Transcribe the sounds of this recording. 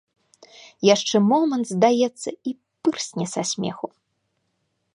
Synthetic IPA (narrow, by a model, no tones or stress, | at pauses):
jaʂt͡ʂɛmɔmɐnt̪zd̪ajɛt̪sːɐi | pɨrsʲnʲɛsasʲmʲɛ̰xu